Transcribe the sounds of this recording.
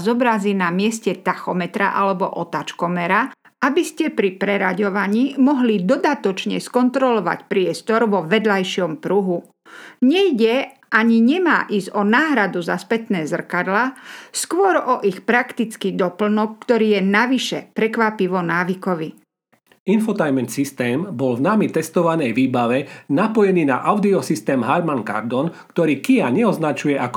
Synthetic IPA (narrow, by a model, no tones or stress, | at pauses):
zɔbɾaziːnamɪɛscɛt̪axɔmɛt̪ɾa̰ʔalɛbɔʔɔt̪at͡ʃkɔmɛɾa | abiscɛpɾipɾɛɾaɟɔʋaɲiːmɔɦlid̪ɔd̪at̪ɔt͡ʃɲɛ̰skɔnt̪ɾɔlɔʋa̰cpɾɪɛst̪ɔɾʋɔʋɛd̪lajʃɪɔmpɾuɦu | ɲɛjɟɛʔaɲiɲɛma̰ːʔizɔnaːɦɾad̪uzaspɛt̪nɛːzr̩kad̪laskʋɔɾɔʔixpɾakt̪it͡skid̪ɔpl̩nɔkːt̪ɔɾiːjɛnaʋiʃɛpɾɛkʋapiʋɔnaːʋikɔʋi | infɔt̪ajmɛnsist̪ɛːmbɔlvnamit̪ɛst̪ɔʋanɛjʋiːbaʋɛnapɔjɛniːna̰ʔaʊd̪iɔsist̪ɛːmɦaɾmanka̰ɾd̪ɔnkt̪ɔɾiːkiaɲɛɔznat͡ʃujɛʔak